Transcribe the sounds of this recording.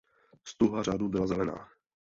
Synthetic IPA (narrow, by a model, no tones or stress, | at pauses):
st̪uɦaradubɪlazɛlɛna̰ː